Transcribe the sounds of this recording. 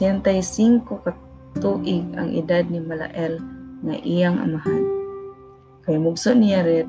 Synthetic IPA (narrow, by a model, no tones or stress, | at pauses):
ɛnt̪ajsiŋkoka | t̪uʔɪɡa̰ŋʔḭd̪ad̪̚nimala̰ʔɛlŋa̰ʔijaŋʔa̰maɦan | kajmʊɡsoʔnijaɾɪ